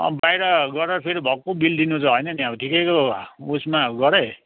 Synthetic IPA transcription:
ʌ̰bajɾʌɡʌɾʌɾpʰeɾibʱʌkːobild̪inut͡sʰʌɦʌjnʌniakotʰikekousmaɡʌɾe

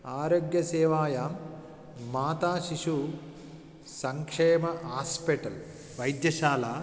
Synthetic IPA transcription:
aːɾoːɡjɐseːʋaːjaːmː | aːt̪aːʃiʂu | sɐŋkʂeːmɐɦaːspeʈɐl | ʋɐjd̪jɐʃaːlaː

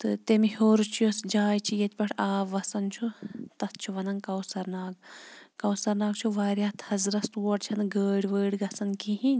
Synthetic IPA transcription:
t̪ɨt̪emihoːɾt͡ʃʰjosd͡ʒaːjt͡ʃʰijɐt̪ʲpʲɐʈʰaːʋːɐsɐnt͡ʃʰut̪ɐt̪̚t͡ʃʰuʋɐnɐnkɐwsɐɾnaːɡkɐwsɐɾnaːɡt͡ʃʰuʋaːɾjat̪ʰhɐzɾɐst̪uːɐʈt͡ʃʰɐnɡəːɽʲʋəːɽɡɐsɐnkiɦinʲ

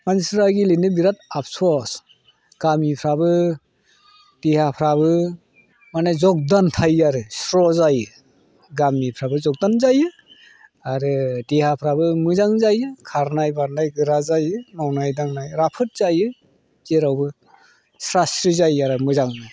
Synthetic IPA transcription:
mansɾaɡilenɯbiɾat̚ap̚sɔs | ɡ̥amipʰɾabɯ | d̥ehapʰɾaβɯ | manazɔk̚dantʰajaɾɯsɾɔzajɯ | ɡamipʰɾabɯzɔk̚danzajɯ | aɾɯdehapʰɾabɯmɯzaŋzajɯkʰaɾnajbaɾnajɡɯɾazajɯnawnajdaŋnajɾapʰɯt̚z̥ajɯ | teɾawbɯ | sɾasɾizajaɾɯmɯzaŋnɯ

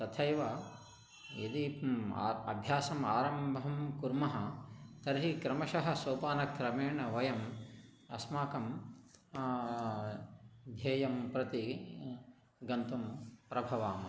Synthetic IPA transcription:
t̪ɐt̪ʰɐjʋɐ | jed̪ḭ | ɐ̰bʱjaːsɐmaːɾɐmbʱɐmkuɾmɐɦɐt̪ɐɾɦikɾɐmɐʃɐɦɐ̆soːpaːnɐkɾɐmeːɳɐʋɐjɐm | ɐsmaːkɐm | d̪ʱjeːjɐmpɾɐt̪i | ɡɐnt̪umpɾɐbʱɐʋaːmɐ

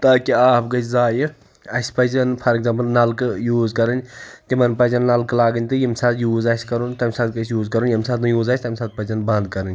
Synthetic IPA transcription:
t̪aːkiaːpʰɡɐt͡ʃʲʰzaːjɨ | ɐsʲpɐzɐnpʰɐɾeɡzãmplnɐlkɨjuːzkɐɾɨnʲt̪imɐnpɐzʲɐnːɐlklaːɡɨnʲt̪ɨjimsaːt̪juːzaːsʲkɐɾunt̪ɐmʲsaːt̪̚kɐsʰʲjuːzkɐɾunjɐmsaːt̪mɨjuːzaːsʰʲt̪ɐmʲsaːt̪̚pɐzɐnbɐ̃nd̪̚kɐɾɨnʲ

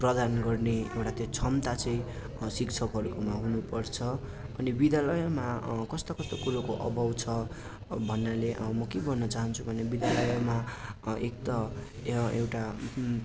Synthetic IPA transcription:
prʌd̪anɡʌrneḛwʈat̪jot͡sʰʌmt̪at͡sʌĩ | sikt͡sʰʌkɦʌɾukomaɦunupʌrt͡sʰʌʌnibid̪alʌjʌmakʌst̪akʌst̪okuɾokoʔʌ̰bʱʌwt͡sʰʌ | bʱʌnːaleʔmʌkebʱʌnːʌt͡saɦʌnt͡sʰubʱʌnebid̪alʌjʌmaekt̪ʌ | ewʈa

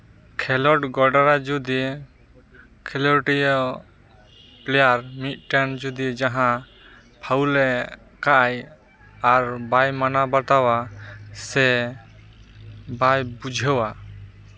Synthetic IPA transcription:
kʰɛlɔʈɡɔɖaɾad͡ʒud̪i | kʰɛlɔʈijɔ | plɛjaɾmit̪̚ˀʈand͡ʒud̪id͡ʒaɦã | pʰawlɛ | kaʔaj | aɾbajmanabat̪awasɛ | bajbud͡ʒʱəwa

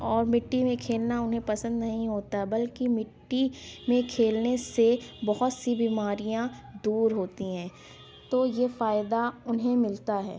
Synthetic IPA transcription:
ɔːɾmɪʈːimẽkʰeːlnaʊnɦẽpɐsə̃nd̪nɐɦĩɦoːt̪aɦɛbɐlkimɪʈːimẽkʰeːlnesebɔɦʊt̪sibiːmaːɾijãd̪uːɾɦoːt̪iɦɛ̃ː | t̪oːjefaːɪd̪aʊnɦẽmɪlt̪aɦɛ̰ː

